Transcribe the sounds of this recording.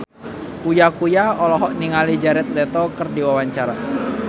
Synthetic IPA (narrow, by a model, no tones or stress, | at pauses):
kujakujaɔlɔɦɔʔniŋalid͡ʒaɾɛt̪̚lɛt̪ɔkərdiwawaɲt͡ʃaɾa